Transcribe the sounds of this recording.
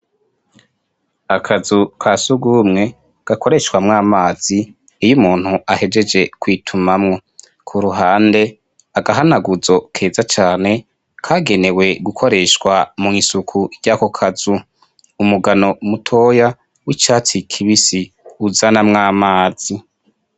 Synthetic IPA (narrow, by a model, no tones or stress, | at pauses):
akʰazukʰasuɡuːmŋe̞ | ɡ̥ako̞ɾe̞ʃkwamŋaːmaːz̥iː | jumuːn̥huahe̞d͡ʒe̞d͡ʒe̞kwiːtʰumamŋo̞ | kʰuɾuɦaːnde̞ | aɡaɦanaɡuzo̞kʰe̞ːzat͡ʃaːne̞ | kʰaːɡe̞ne̞we̞ɡukʰo̞ɾe̞ʃkwamuŋisukʰuiɟaːko̞kʰazuː | muɡano̞mutʰo̞ːja | wit͡ʃaːt͡sikʰiβisi | uzanamŋaːmaːz̥i